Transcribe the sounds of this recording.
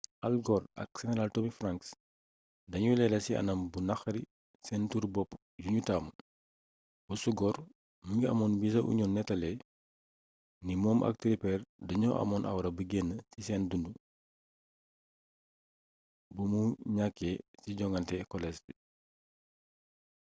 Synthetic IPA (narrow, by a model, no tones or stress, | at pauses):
ʔalɡɔɾɐ̰k̚sɛnɛɾaltomifɾaŋks | dɐɲulɛlɐsiɐ̰nɐmbunaxɐɾi | sɛntuɾbɔpː | juɲutaːm | b̥usuɡɔr | muŋɡiɐ̰mɔːnbisɐʔṵɲɔnnːɛtɐlɛ | nimɔːmʔɐ̰k̚tɾipɛːrdɐɲɔʔɐ̰mɔnʔɐ̰wɾɐbəɡenːəsisɛːndundu | bumuɲakːɛsiɟɔŋɡɐntɛkɔlɛsbi